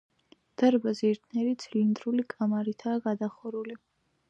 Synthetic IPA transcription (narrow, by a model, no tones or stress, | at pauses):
d̪̥aɾbazɛɛɾt̪ʰnɛɾit̪sʰlind̪ɾulikʼamaɾit̪ʰaːɡad̪aχɔɾuli